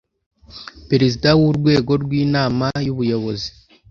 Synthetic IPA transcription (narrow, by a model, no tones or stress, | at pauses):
pe̞ɾezidawuɾɡwe̞ːɡo̞ɾɡwiːnaːmajuβujo̞βo̞zi̥